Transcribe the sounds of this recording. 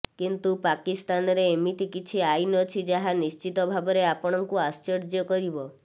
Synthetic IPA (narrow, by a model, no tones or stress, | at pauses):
kint̪upakist̪anɔɾeːmit̪ikit͡ʃʰiajnɔt͡ʃʰid͡ʒaɦanist͡ʃit̪ɔbʱabɔɾeapɔɽ̃ɔŋkuast͡ʃɔɾd͡ʒjɔkɔɾibɔ